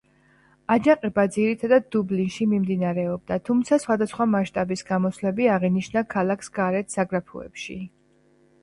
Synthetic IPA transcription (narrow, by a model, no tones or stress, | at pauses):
ad͡ʒaqʼɛbad̪ziɾit̪ʰad̪ad̪̚ːublinʃimimd̪inaɾɛɔb̚d̪at̪ʰumt̪sʰasχwad̪asχwamaʃt̪ʼabisɡamɔslɛbiaʁiniʃnakʰalˠakʰsɡaɾɛt̪ʰsaɡɾapʰṵɛ̰pʃi